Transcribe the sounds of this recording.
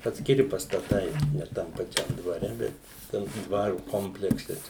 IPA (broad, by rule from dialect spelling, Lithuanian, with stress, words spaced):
ɐtʲsʲkʲɪˈrʲɪ pɐstɐˈtɐɪ nʲɛ ˈtɐm pɐˈt͡ʃʲɛm dʋɐˈrʲɛ ˈbʲɛt ˈtʲɛn toː ˈdʋɑːrʊ ˈkoːmʲpʲlʲɛksʲɛ ˈt͡ʃʲɛ